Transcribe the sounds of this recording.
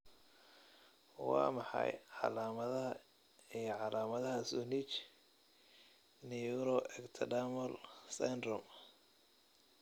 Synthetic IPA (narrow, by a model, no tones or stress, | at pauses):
wɑ̰ːmɑħɑ̰jʕɑ̰laːmɐðɐɦɐ | iʕɑlaːmɐðɐɦɐsunit͡ʃ | nijuɾɔʔɛkt̪ʰɐdamɔlsɛnd̪ɾɔm